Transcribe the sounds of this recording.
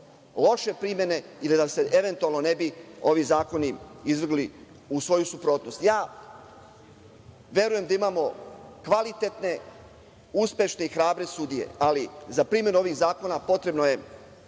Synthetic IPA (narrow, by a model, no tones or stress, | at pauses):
lˠo̞ʃe̞pɾimje̞ne̞ilid̪ase̞ʔe̞ʋe̞nt̪ualˠnone̞bio̞ʋizaːko̞niizʋr̩ɡli | usʋo̞jusupɾo̞ːt̪no̞st̪jaː | ʋʲje̞ɾuje̞md̪aimaːmo̞kʋalit̪et̪ne̞ | uspje̞ʃne̞ixɾaːbɾe̞sud̪ije̞̰alizapɾimje̞nuo̞ʋiːɣzaːko̞napo̞t̪ɾe̞bno̞je̞